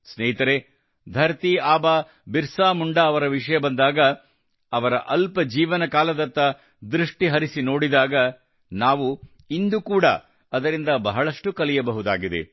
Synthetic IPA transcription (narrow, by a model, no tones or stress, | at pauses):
sneːɦit̪ɐɾe | d̪ʱɐɾt̪iaːbaː | biɾsaːmuɳɖɐːʋɐɾɐʋiʂɐjɐbɐnd̪aːɡɐ | ɐʋɐɾɐ̰ʔɐlpɐd͡ʒiːʋɐnɐkaːlɐd̪ɐnt̪ːɐ | d̪ɾuʂʈiɦɐɾisino̞ːɽid̪aːɡɐ | naːʋu | ind̪ukuːɽɐ̰ | ɐd̪ɐɾind̪ɐbɐɦɐɭɐʂʈukɐlijɐbɐɦud̪aːɡid̪ḛ